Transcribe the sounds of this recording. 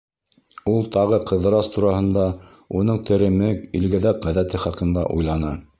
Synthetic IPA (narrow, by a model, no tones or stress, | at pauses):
ulˠt̪ɑʁɤqɤ̆ðɤ̆ɾɑst̪ʰuɾɑhɤ̆nd̪ɑ | unɤɴt̪ʰɘ̆ɾɘ̆mɘilɡɘ̆ðæk̚ʁæðæt̪ɘχɑqɤ̆nd̪ɑ̰ʔṵjlˠɑnɤ